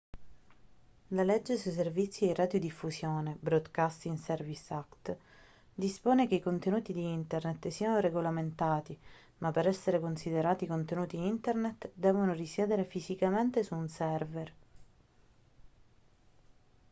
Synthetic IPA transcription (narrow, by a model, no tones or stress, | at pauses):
lalɛd͡ʒːesuis̬ervit̪sːierad̪jod̪ifːusjɔːnebɾɔd̪kast̪iŋsɛrvisakt̪ | d̪ispoːnekeikont̪enuːt̪id̪iint̪ernet̪siːanoɾeɡolament̪aːt̪i | mapːeɾɛsːeɾekonsid̪eɾaːt̪ikont̪enuːt̪iint̪ernet̪d̪ɛːvonorisjɛːd̪eɾefizikament̪esuːnsɛrver